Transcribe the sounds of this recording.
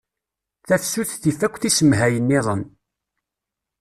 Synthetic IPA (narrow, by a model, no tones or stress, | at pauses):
θæfsuθθifækʷːθisəmɦæjənːiðˤən